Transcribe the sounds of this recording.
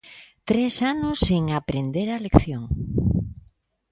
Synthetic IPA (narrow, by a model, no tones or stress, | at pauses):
t̪ɾesanoseŋapɾend̪eɾalekθjoŋ